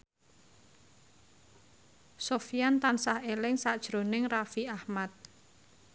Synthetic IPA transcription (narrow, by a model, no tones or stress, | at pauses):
sofijant̪ansahelɪŋsaʔd̥ʒ̥ɾonɪŋrafiahmat̪̚